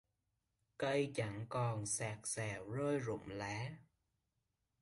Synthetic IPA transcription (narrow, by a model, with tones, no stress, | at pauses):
kə˧jt͡ɕa˧˩ŋkɔ˨˩nsaː˨˩k̚sɛː˨˩wzəː˧jzʊ̰˧˨ŋ͡mla̰ː˨˦